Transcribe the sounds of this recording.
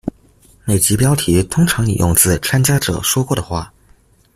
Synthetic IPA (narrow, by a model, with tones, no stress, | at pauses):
me˥˩ɪt͡ɕi˧˥pjɑ˥ʊt̪ʰi˧˥t̪ʰʊ˥ŋʈ͡ʂʰɑ˧˥ŋnḭ˨˩jʔʊ̰˥˧ŋt͡sɹ̩˥˩t͡sʰa˥nt͡ɕja˥ʈ͡ʂɤ̰˨˩ʂwɔ˥kwɔ˥˩d̪ə˩xwa˥˩